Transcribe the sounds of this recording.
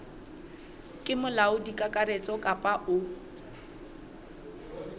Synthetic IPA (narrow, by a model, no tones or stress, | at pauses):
kʼɪmʊlaʊdikʼakʼaɾet͡sʼɔkʼapʼaʔʊ